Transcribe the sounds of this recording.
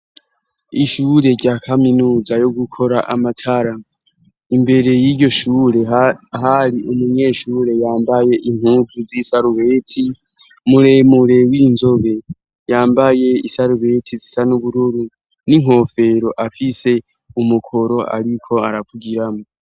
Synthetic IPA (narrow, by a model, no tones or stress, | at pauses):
iʃuːɾe̞ɟaːkʰaminuːzajoɡukʰo̞ɾaʔamatʰaɾa | imbe̞ɾe̞jiɾɟo̞ʃuːɾe̞ɦaɾiʔumuɲe̞ːʃuːɾe̞jaːmbaje̞ʔiŋ̥huzuzisaɾuβe̞ːtʰi | muɾemuɾe̞wiːnzo̞βe̞ | jaːmbaje̞isaɾuβe̞tʰizisanuβuɾuɾu | niŋ̥ɦo̞ːfe̞ɾo̞ʔafise̞ | umukʰo̞ɾo̞a̰ɾikʰo̞aɾavuɡiɾamo